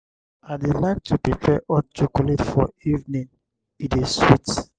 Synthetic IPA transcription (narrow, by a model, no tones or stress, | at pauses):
adelaɪk̚tʰupɹipʰɛʔɔt͡ʃukɔletfɔivnĩn | itizswit